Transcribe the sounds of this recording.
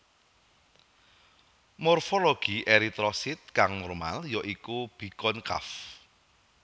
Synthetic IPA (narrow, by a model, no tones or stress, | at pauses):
mɔrfolɔɡ̥i̤ʔeɾit̪ɾɔsɪt̪̚kaŋmɔrma̰ljɔʔikub̥i̤kɔnka̰f